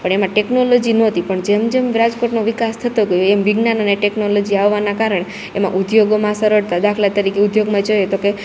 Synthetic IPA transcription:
pəɳemãʈeknolod͡ʒinoɦət̪ipəɳd͡ʒemd͡ʒemɾad͡ʒkoʈnoʋikast̪ʰət̪oɡəjoemʋiɡnanəneʈeknolod͡ʒiaʋːanakaɾəɳ̃e | emã̰ʔud̪joɡomãsəɾəɽt̪ad̪akʰlat̪əɾikeud̪joɡmãd͡ʒojet̪oke

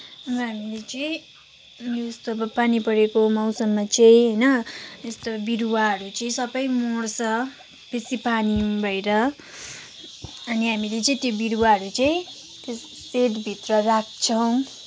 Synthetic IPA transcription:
ʌbʌɦamilet͡sʌĩ | leust̪obʌpanipʌɾekomawsʌmːat͡sʌĩɦʌjnʌest̪obiɾuwaɦʌɾut͡sʌĩsʌbʌjmorsʌ | b̥esipanibʱʌjɾʌ | ʌniɦamilet͡saĩt̪jobiɾuwaɦʌɾut͡saĩ | t̪os | seʈbʱit̪rʌrak̚ʰt͡sʰʌw̃

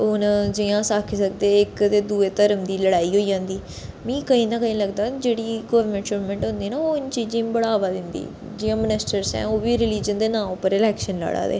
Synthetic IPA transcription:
ʊnd͡ʒɪjãːsaːkʰisəkd̪eːɪkt̪eːd̪uːeːt̪əɾəmd̪iːləɽaːiːɦoːiːd͡ʒãːnd̪iː | mĩːkəĩːnaːkəĩːləɡd̪aːd͡ʒeːɽiːɡəːʋəɾmɛ̃ɳʈt͡ʃoːɾmɛ̃ːɳʈɦʊ̃nd̪iːnaːoːɪnt͡ʃiːd͡ʒibəɽaːʋaːd̪ɪnd̪ḭː | d͡ʒɪjãːmənɪsʈəɾsɛ̰̃ːoːʋiːɾɪliːd͡ʒənd̪eːnãːmʊpəɾɪlɛːkʃənla̰ːɽa̰ːd̪ḛː

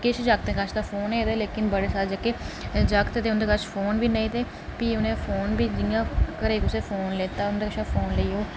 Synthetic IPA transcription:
kɪt͡ʃʰd͡ʒaːɡ̚t̪ẽːkəʃʰd̪aːfʰoːneːt̪eːleːkɪnbəɽeːsaːld͡ʒakeːd͡ʒaːkt̪eːt̪eːʊnd̪eːkət͡ʃpʰoːnbiːnəĩːt̪eː | piːʊnẽːfʰoːnbiːd͡ʒɪɡãːkəɾeːkʊseːfʰoːnleːt̪aːʊnd̪eːkəʃʰaːpʰoːnləiːoː

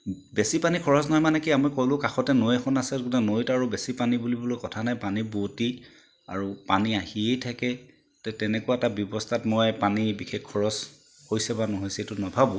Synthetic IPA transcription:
besipanikʰɔɹɔsnɔɦɔjmanɛkiamɔjkɔlʊkaxɔtɛnojexʰɔnasɛɡunanojtaɹubesipanibulibɔlojkɔtʰanajpaniboti | a̰ɹupaniahiejtʰakɛ | tɛtɛnɛkʊwaɛtabjɔbɔstʰatmɔjpanibixʰekkʰːɔɹɔs | hojsɛbanɔɦojsetʊnɔbʱabɔ̃

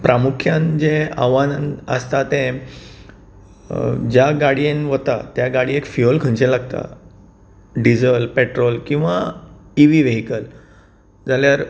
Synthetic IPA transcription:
pɾamukʰjãnd͡ʑea̰ʋanə̰st̪at̪ẽ | d͡ʑjaɡaɽienʋət̪at̪jaɡaɽiekfiolkʰə̃ɳt͡ɕelaɡt̪a̰ | ɖid͡zəlpeʈɾolkĩw̃ʋaiʋiːʋeɦikəl | d͡zaljaɾ

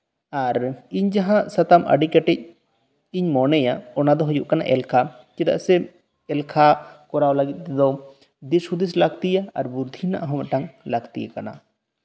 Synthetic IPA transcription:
aɾiɲd͡ʒaɦãsət̪amʔə̰ɖikɛʈɛc̚ | iɲmɔnɛjaɔnad̪ɔɦujuʔkana̰ʔɛlkʰa | t͡ʃid̪a̰ʔsɛ | ɛlkʰakɔɾawlaɡit̪̚ˀt̪ɛd̪ɔ | d̪ishud̪is̬laɡt̪ijaaɾbuɾd̪ʱina̰ʔaɦɔmaʈaŋlaɡt̪ijakana̰

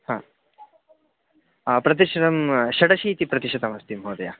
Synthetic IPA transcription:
hã | pɾɐt̪̬iɕɾəmɕɐɽɐɕiːt̪ipɾɐt̪iɕɐt̪amɐst̪imɦoːd̪ja

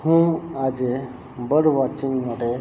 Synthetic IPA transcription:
hũaːd͡ʒe | bəɽʋaːt͡ʃiŋɡmaʈe

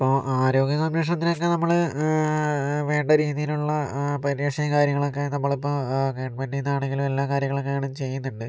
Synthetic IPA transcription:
pːoːʔaːɾo̞ːɡjɐkɐmneːʂ̬ɳɐt̪ːinokːe̞nɐmːɐɭ | ʋe̞ːɳɖɐɾiːðijiluɭːɐpɐɾieʂɐjɐkaːɾjɐŋːɐɭo̞kːe̞nɐmːɐɭipːoːkeːɳɖʋeːɳɖinːaːɳeŋɡilume̞lːaːkaːɾjɐŋːɐɭokːejɐːɳɐmt͡ɕe̞jːunːuɳɖɨ

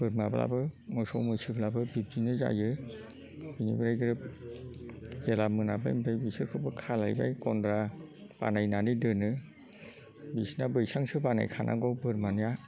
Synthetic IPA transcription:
b̥ɯɾmabla̰bɯmɯsɔwmɯjsɯblabɯbib̚d͡ʒinɯza̰jɯ | b̥inibɾajɡɯɾɯp̚ | zelamɯnaba̰jmətʰajbisɯkʰɯbɯkʰalajba̰jkɔndɾab̥a̰najnanidɯnɯ | bisnabɯjsaŋsɯbana̰jkʰanʔa̰ɡɔbɯɾmanɯja

